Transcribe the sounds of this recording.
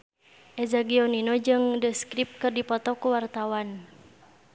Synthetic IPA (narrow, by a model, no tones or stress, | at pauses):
ʔɛzaɡiɔninod͡ʒɨŋdəskɾip̚kɨrdipɔt̪ɔkuwart̪awan